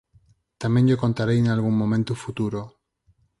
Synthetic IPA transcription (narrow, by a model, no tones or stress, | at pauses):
t̪amenʝoko̞nt̪aɾejenalɣuŋmõ̞mẽnt̪ufut̪uɾo